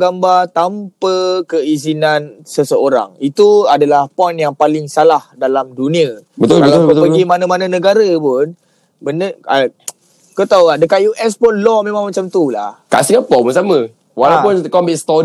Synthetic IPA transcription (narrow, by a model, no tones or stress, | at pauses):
ɡambat̪ampəkəizinãnsəsəoɾa̰ŋit̪uadalahpɔjnjaŋpalɪŋsalahdalamdunĩabət̪lkalppəɡimanãmanãnə̃ɡaɾəpʊn | bənəa | kət̪awadəkaʔjuʔɛspʊnlɔmẽmãŋmat͡ʃamt̪ula̰hka̰ʔsiŋapɔməsamə̃ | walapʊnkɔmist̪ɔ